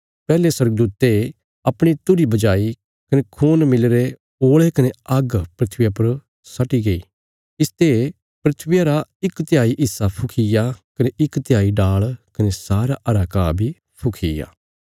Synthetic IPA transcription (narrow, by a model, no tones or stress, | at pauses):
pɛːleswɐɾɡ̚d̪uːt̪e | ɐpɽ̃it̪ʊɾibɐd͡ʒaːi | kɐnekʰuːnmɪlɾe | oːɭekɐneɐɡpɾɪt̪ʰʋɪjapɐɾ | sɐʈiɡɐḭː | ɪst̪e | pɾɪt̪ʰʋɪjaɾaɪkt̪jaːiʔɪsːapʰʊkʰɪjakɐneʔɪkt̪jaːiɖaːɭkɐnesaːɾaʔɐɾaːkaːbʱi | pʰʊkʰḭja̰ː